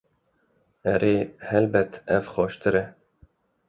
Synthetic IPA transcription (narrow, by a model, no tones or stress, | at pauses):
ɛɾeːhɛlbɛt̪ɛvxɑːʃt̪ɨɾɛ